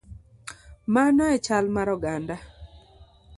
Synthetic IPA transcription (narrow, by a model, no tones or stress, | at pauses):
manɔɛt͡ʃalmaɾɔɡanda